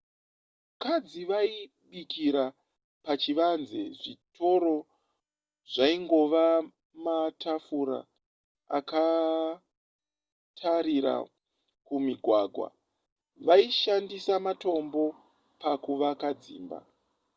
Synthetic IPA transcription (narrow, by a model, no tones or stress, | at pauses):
kad͡ziʋai | ɓikiɾa | pat͡ʃiʋanzḛʐitʰo̞ɾo̞ | ʐ̥aiŋɡo̞ʋa | matʰafuɾa̰ | a̰ka | tʰaɾiɾa̰ | kumiɡʱwaːɡʱwa̰ | ʋaiʃandisamato̞mbo̞ | pakuʋakad͡zḭːmba̰